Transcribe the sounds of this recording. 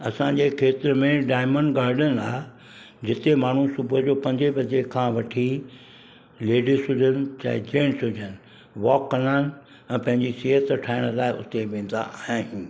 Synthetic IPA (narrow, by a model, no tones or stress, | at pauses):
ɐsãd͡ʑeːkʰeːt̪ɪɾmẽɖaːɪməɳɖɡaːɾɖəna̰ːe | d͡ʑɪt̪emaːɳ̤usʊbʱəd͡ʑoːpɐ̃ɲd͡ʑebɐd͡ʑekʰãːʋɐʈʰi | leːɖisʊd͡ʑʱənɪ̆t͡ɕa̰ːɪd͡ʑeːɽ̃sʊd͡ʑʱənɪ̆ | ʋɔːkːɐnaːnɪ̆ | ɛ̃ːpɐ̃ɦɪ̃ɲd͡ʑisiːɦət̪ʈʰaːɪɽ̃laːɪʔʊ̰t̪eʋẽːn̆d̪a̰ʔaːɦãːɦũː